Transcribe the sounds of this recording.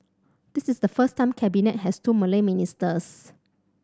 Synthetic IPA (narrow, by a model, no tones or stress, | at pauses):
d̥isisdəfəstːãɪmkʰɛbinɛt̚hɛstuməleministəs